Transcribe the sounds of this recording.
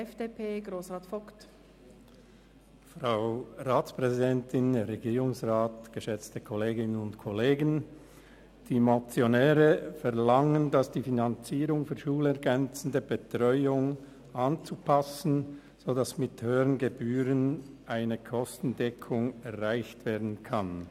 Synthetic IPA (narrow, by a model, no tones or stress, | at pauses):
ɛfd̥eːpʰeːɡʁoːsʁaːtfɔkt | fʁaʊʁaːt͡spʁ̥ɛzidɛntʰɪnʁeɡiːʁʊŋsʁaːtɡ̥əʃɛt͡stəkʰɔleːɡɪnənʊntkʰɔleːɡən | d̥iːmot͡sjonɛːʁəfɛʁlaŋəndasd̥iːfinant͡siːʁʊŋfyːɐʃuːlɛɐʁɡɛnt͡sən̩dəbətʁ̥ɔʏʊŋ | ʔant͡supʰasn̩ | z̥oːdasmɪthøːəʁənɡəbyːʁən | ʔaɪnəkʰɔstn̩dɛkʰʊŋɛʁʁaɪçtv̥eːɐdn̩kʰan